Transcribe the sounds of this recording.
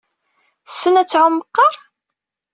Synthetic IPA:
θə̥sːənæt͡sːʕʊmːəqːɑɾˤ

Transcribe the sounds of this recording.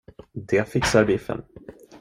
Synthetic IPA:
d̪ɛfɪksaɾbɪfə̰n

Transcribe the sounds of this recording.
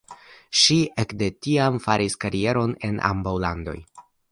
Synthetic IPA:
ʃiekde̞tiamfaɾiskaɾie̞ɾo̞ne̞nʔa̰mbawlando̞̰j

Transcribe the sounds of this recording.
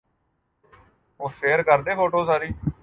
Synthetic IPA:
õːseːɾkəɾd̪eːpʰoːʈoːsaːɾiː

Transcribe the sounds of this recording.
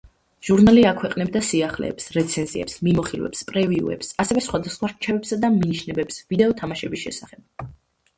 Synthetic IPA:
ʒ̥uɾnaliakʰwɛqʼnɛbd̪asiaχlɛ̰ːpsɾɛt̪sʰɛnziɛ̰psmimɔχilwɛ̰pspʼɾɛviṵɛ̰psasɛvɛsχwad̪asχwaɾt͡ʃʰɛvɛpsad̪aminiʃnɛbɛpsvid̪ɛɔt̪ʰamaʃɛbisʃɛ̰saχɛb̥̚

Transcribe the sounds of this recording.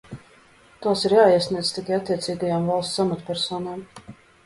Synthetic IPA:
t̪aːsiɾjaːiɛsniɛd̪zt̪ikajat̪ʲːiɛt̪siːɡajaːmvalˠssamat̪pʲɛɾsoːnaːm

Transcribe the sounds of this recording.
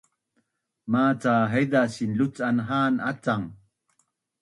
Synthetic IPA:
maːt͡saːɦejd̪asinlut͡sanɦaːna̰t͡saŋ

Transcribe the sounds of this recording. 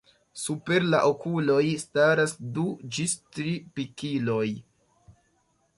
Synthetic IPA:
supe̞ɾla̰ʔo̞kulo̞jstaɾasdud͡ʒistɾipikilo̞j

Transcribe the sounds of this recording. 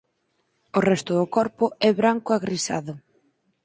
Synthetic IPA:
ʊrɛst̪ʊðʊkɔɾpʊɛβɾaŋkʊaɣɾisa̰ðʊ

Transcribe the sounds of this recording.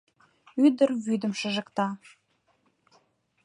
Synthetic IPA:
yd̪ərβyd̪ə̆mʃə̆ʒə̆kt̪ɑ

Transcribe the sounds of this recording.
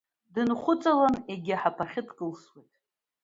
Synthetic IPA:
dɨnχʷʊt͡sʼalaneɡʲɪħapʰaχʲɪtkʼɨlswejtʼ

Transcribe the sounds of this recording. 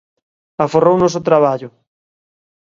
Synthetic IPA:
aforownosot̪ɾaβ̞aʎʊ

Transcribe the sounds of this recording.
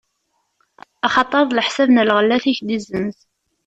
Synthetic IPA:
ɑχɑt̪ˤːəðˤləħsæbnəlʁəlːæθiçd̪izənθ

